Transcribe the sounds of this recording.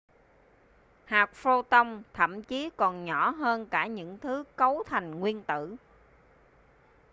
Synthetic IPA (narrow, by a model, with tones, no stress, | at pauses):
haː˨˩k̚fo˧t̪ə˧wŋ͡mt̪ʰə̰˧˩˨mt͡ɕi˨˦kɔ˨˩nɲɔ˧˩˥ɦəː˧nkaː˧˩ɲɨ̰˧˥ŋt̪ʰɨ˨˦kə˨˦wt̪ʰa˨˩jŋ̟ŋwi˧ənt̪ɨ̰˧˨